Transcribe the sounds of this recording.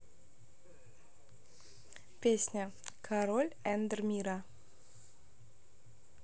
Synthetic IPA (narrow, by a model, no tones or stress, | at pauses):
pʲesʲnʲə | kʰaɾolʲænd̪ərmʲiɾa